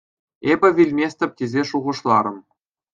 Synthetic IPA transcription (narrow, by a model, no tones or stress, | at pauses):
ebʲɘ̆vʲilʲmʲesʲt̪ʲɘ̆p̚ʲtʲezʲeʂuʁɤ̆ʂlˠɑɾɤ̆m